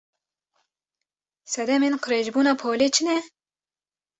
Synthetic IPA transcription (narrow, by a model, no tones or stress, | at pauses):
sɛd̪ɛmeːnqʰɨɾeːʒbuːnɑːpʰoːleːt͡ʃʰɪnɛ